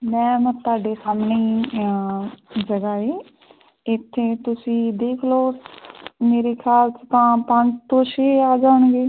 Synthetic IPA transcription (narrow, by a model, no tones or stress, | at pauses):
mɛ̃ːmə̃t̪aːɖeːsaːmneiː | d͡ʒəɡaːeː | ɪt̪ʰːeːt̪ʊsĩːd̪eːkʰloː | meːɾeːkʰaːlst̪ãːpəɲd͡ʒt̪ʰõːʃeːaːd͡ʒaːɳɡeː